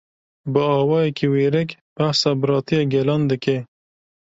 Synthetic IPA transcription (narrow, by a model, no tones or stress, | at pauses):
bəɑwɑjekʰeweɾɪkb̥ahsabɾɑːt̪ieɡelɑnd̪əke